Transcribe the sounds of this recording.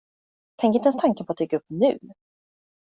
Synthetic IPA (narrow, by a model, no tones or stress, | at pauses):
t̪ʰɛ̃ŋkɾɪɛnst̪ʰaŋkənpʰɔat̪̚d̪ɛɡɵpːnʉ̟ː